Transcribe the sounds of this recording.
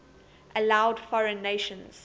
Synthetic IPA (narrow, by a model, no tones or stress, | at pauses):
ʔəlaʊdfɔɹə̃nːeːʃə̃nz̥